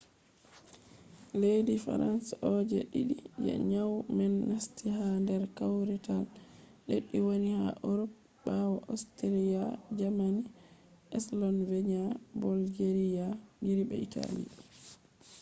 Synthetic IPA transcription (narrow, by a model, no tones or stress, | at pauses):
lejdifa̰ɾansʔɔd͡ʒɛ̰ɗiɗid͡ʒɛ̰ɲawmɛnːastiɦandɛɾkawɾital | ɗeɗːiwoniha̰ʔoɾɔp | bawaʔastaɾiad͡ʒamaniʔɛslɔnvɛɲabɔlɡeɾijaɡiɾibɛ̰itʰa̰lḭ